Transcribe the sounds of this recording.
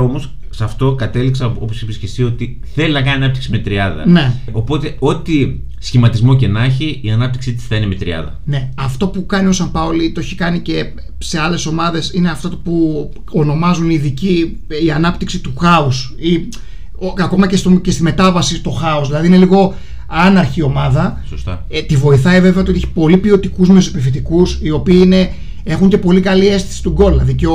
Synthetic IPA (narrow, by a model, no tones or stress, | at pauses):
omos | sɐft̪o̞kɐt̪e̞liksɐo̞posepisi̥çest̪iot̪i | θe̞linɐk̬ɐniɐnɐpt̪iksimet̪ɾiɐðɐ̰ne̞ | o̞po̞t̪e̞o̞t̪i | sçimɐt̪izmo̞ce̞nɐçiiɐnɐp̚t̪i̥ksit̪i̥θɐinemet̪ɾiɐ̰ðɐ̰ne̞ɐft̪o̞pukɐnio̞sɐmpɐolit̪oçi̥kɐnice̞ | se̞ɐle̞so̞mɐðe̞sine̞ɐft̪ot̪opu | ono̞mɐzuniðici | iɐnɐpt̪iksit̪uxɐus | i | oɐko̞mɐcest̪oce̞st̪ime̞t̪ɐvɐsit̪o̞xɐosðilɐðiineliɣo̞ | ɐnɐɾçio̞mɐðɐsost̪ɐ̰ | t̪ivo̞iθɐive̞ve̞ɐoiot̪ieçi̥po̞lipio̞t̪ikuzmiosipifit̪ikusio̞piːine̞ | e̞xuɲce̞po̞likɐlie̞st̪isi̥t̪uɡo̞lɐðice